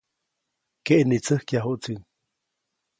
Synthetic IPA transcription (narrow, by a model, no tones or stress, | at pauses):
keʔnit͡səhkjaɦuʔt͡sin